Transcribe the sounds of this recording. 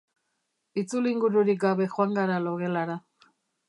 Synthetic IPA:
it͡suliŋɡuɾuɾiɡaβɛxwaŋɡaɾalɔɣɛlaɾa

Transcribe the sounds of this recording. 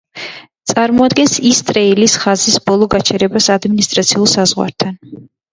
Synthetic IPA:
t̪sʼaɾmɔad̪ɡɛnsist̪ʼɾɛilisχazisbɔlˠɔɡat͡ʃʰɛɾɛbasad̪minist̪ʼɾat̪sʰiulˠsazʁwa̰ɾt̪ʰan

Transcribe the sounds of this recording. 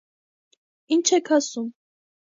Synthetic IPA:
int͡ʃʰɛkʰasum

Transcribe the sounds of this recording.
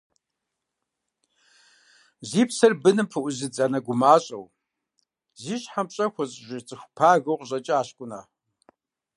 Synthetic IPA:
ziːpsɐrbɨnɨmpʰɨʔʷʊzɨd͡zʼanɐɡʷʊmaːɕʼɐ̰w | ziːɕħamɕʼɐxʷɔɕʼʒʷɪt͡sʼɨxʷpʰaːɣɐwqʼɕʼɐt͡ʃʼɪaːɕkʷʼʊna̰ː

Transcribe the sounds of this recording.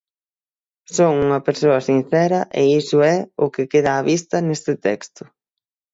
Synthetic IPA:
soŋuŋɐpeɾsoɐsin̟θɛɾɐʔɪisʊɛʊkɪkeðaːβist̪ɐnest̪ɪt̪ɛkst̪ʊ̥

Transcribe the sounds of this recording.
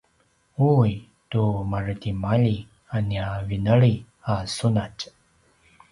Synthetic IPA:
uj | tumarətimaʎi | aniavinəɭi | asunac

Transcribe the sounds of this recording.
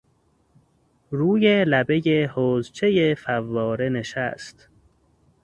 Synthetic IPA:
ɾuːjelæbe̞jehoːzt͡ʃʰe̞jefævːɒːɾe̞ne̞ʃæ̰st̪

